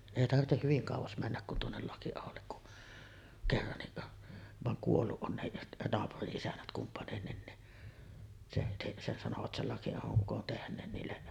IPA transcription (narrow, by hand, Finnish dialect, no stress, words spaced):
eˑi tɑrtːeh hyʋiŋ kɑˑuʋɑs mænːæk kun tuonːel lɑkiɑholːek kuʔ kerːɑnːiʔ ʋɑŋ kuolːuʔ ʔon nehiʔ nɑːpuriʔ ʔisænːæt kumpɑnenːin ni se se se sɑnoʋɑt sel lɑkiɑhoʔ ʔukon tehnˑeːn niːlːe